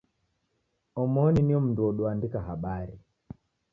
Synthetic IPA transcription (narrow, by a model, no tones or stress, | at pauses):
ɔmɔniniɔm̩nduɔɗuandikaɦaɓaɾi